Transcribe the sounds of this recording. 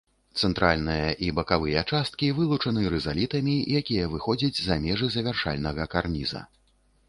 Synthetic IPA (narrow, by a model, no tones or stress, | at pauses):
t̪sɛnt̪ɾalʲnɨjɐʔibɐkavɨjɐt͡ʂast̪̚kʲivɨlˠut͡ʂɐnɨɾɛzalʲit̪ɐmʲijakʲijɐvɨxɔd͡zʲɐd͡zʲzɐmʲɛʐɨzɐvʲarʂa̰lʲnɐɣɐkarnʲizɐ̰